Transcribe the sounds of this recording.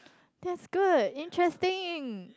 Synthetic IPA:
d̥̪ɛtsɡ̥udɪ̃ntʰɹɛstɪ̃ŋ

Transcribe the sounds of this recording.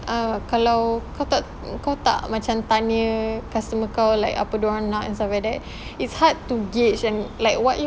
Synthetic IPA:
ʔakalawkawt̪aʔ | kawt̪a̰ʔmãt͡ʃamt̪anəkast̪əməkawlajka̰pədoɹãnãʔɛ̰̃nsaadɛt̚ | itshad̚t̪uɡet͡ʃɛ̃nlajkwaʔ

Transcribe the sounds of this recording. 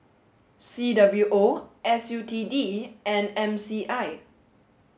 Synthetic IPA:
sidabljuʔoʔɛsjutʰidiɛ̃nɛ̃msiʔaj

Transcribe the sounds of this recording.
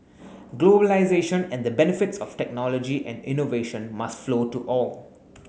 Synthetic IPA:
ɡloːbəlaɪzeʃə̃nɛ̃ndəbɛnɪfɪtsɔftɛk̚nɔlɔd͡ʒiʔɛ̰̃ndɪ̃noveʃə̃nmastflotuʔɔl

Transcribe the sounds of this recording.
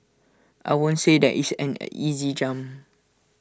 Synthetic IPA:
ʔa̰ɪwõnsedɛ̰ʔisɛ̰̃nizid͡ʒãm

